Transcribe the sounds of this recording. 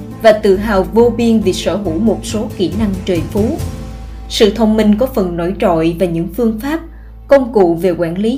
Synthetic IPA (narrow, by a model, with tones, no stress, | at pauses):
vaː˨˩t̪ɨ̰˧˨ɦa̰ː˨˩wvo˧vi˧ənvi˨˩səː˧˩ɦṵ˧˥mo˨˩t̚so˨˦ki˧˩na˧ŋt͡ɕəː˨˩jfu˨˦ | sɨ̰˧˨t̪ʰə˧wŋ͡mmï˨˩ŋ̟kɔ˨˦fə˨˩nno̰˧˥jt͡ɕo̰˧˨jvaː˨˩ɲɨ̰˧˥ŋfɨ˧əŋfaː˦˥p̚ | kə˧wŋ͡mkṵ˧˨ve˨˩kwaː˧˩nli˨˦